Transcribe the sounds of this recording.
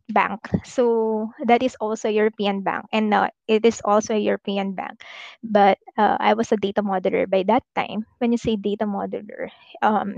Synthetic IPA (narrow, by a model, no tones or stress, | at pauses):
bã̰ŋksod̪ɐt̪ɪsɔlsoɐjuɹopiːɐ̃nbã̰ŋkʔɛ̃nd̪a̰ʔɪt̪ɪsɔlsoɐjuɹɔpiːɐ̃nbã̰ŋk̚bɐt̪̚a̰ʔa̰jwʌsɐd̪et̪ɐmɔd̪ɛlɐ̰ɹbajd̪ɐt̪ːã̰ɪ̃mwɛ̃njʊsid̪eɪt̪ɐmɔd̪ɛlɛ̰ɹ | ʔɐ̃m